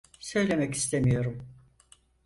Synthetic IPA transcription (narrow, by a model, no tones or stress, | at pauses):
sø̞jlʲe̞mɛci̥st̪ʰemijo̞ɾum